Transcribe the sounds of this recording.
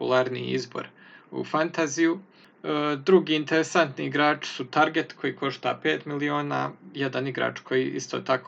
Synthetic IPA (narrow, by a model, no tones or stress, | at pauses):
ulˠaːɾnḭḭzbo̞̰ɾ | ṵfant̪aziju | d̪ɾuɡiːint̪e̞ɾesant̪niiɡɾaːt͡ʃi̥sut̪aɾɡe̞t̪kʰo̞jiːkʰo̞ʃt̪a̰ːpe̞ːt̪milio̞ːna̰ːjed̪aniɡɾa̰ːt͡ʃkʰo̞jiʔḭst̪oːt̪ako